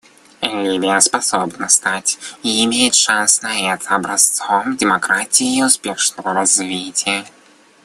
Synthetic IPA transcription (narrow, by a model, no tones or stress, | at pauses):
ɛlʲivʲɪjəspɐsobnəst̪atʲiɪmʲejɪt̪ʂansnɐɛt̪ʰəɐbɾɐst̪somdʲɪmɐkɾatʲɪjɪːʊspʲeʂnəvəɾɐzvʲitʲɪjə